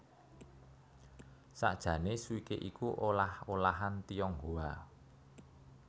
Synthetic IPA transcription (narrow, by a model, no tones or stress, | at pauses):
sa̰ʔd̥ʒ̥ä̤nesuikeʔikuʔolaholaɦant̪ijɔŋɦoa